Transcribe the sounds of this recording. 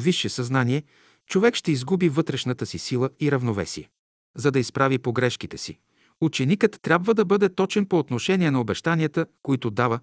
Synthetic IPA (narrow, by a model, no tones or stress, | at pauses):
viʃːɛsɐznaniɛ | t͡ʃovɛkʃt̪ɛizɡubivɤt̪ɾɛʃnət̪əsisilˠəiɾɐvnovɛ̰siɛ | zɐd̪ɐispɾavipoɡɾɛʃk̟it̪ɛsḭ | ut͡ʃɛnikət̪ːɾʲabvəd̪ɐbɤd̪ɛt̪ɔt͡ʃɛnpoːt̪noʃɛnʲiɛnɐobɛʃt̪aniət̪əkoit̪ʊd̪avə